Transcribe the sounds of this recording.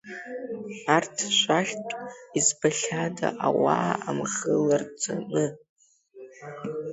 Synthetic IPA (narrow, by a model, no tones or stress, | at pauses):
artʰʃʷaχʲtʷʼizbaɬʲada̰ʔawaːamχəlart͡sʰʼanɨ